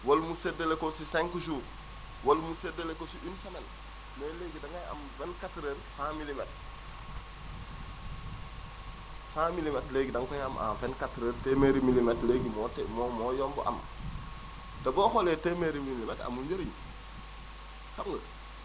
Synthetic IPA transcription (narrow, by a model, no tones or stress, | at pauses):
walmusedelekosisaŋkuʃ̬u | wolmusedelekosiʔinsamen | meleːɡidaŋaja̰mvenkatɾeɾfãmilimet̚ | fãːmilimetleːɡidaŋkojamʔa̰fenkatɾeɾtemeɾimilimetleɡimotemomojombo̰ʔa̰m | daɡoxoletemeɾimilimeta̰muɲd͡ʒeɾiɲ | samŋɡə